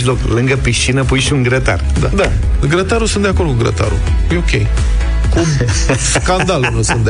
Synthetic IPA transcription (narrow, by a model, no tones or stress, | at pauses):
lo̞klɨŋɡəpiʃt͡ʃinəpujʃiuŋɡɾət̪a̰rd̪ad̪a | ɡɾət̪aɾusund̪eako̞rd̪kuɡɾə̰t̪a̰ɾṵ | jeokʲḛj | ku | skand̪alunusunt̪d̪